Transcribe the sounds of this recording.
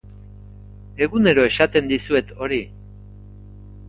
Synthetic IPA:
e̞ɣune̞ɾo̞e̞sat̪e̞nd̪isue̞t̪ʰo̞ɾi

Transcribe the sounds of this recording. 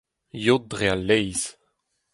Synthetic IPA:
jod̚dʁealːɛjz̥

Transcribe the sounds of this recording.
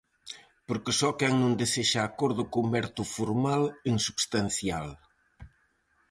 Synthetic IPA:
poɾkesɔkɛŋnũnd̪eseʃaːkoɾðʊkumbɛɾt̪ufoɾmaleŋsuβst̪anθjal

